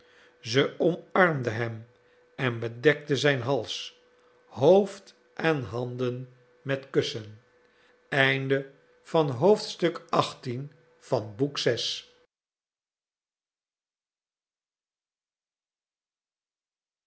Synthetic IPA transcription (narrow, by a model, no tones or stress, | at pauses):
zəɔmɑɹmd̪əɦɛm | ɛnbədɛk̚təzɛjnɦɑlˠs | ɦowft | ʔɛnɦɑndən | mɛtkɵsən | ɛjndə | fɑnɦowftstɵkɑχtin | fɑnbuksɛs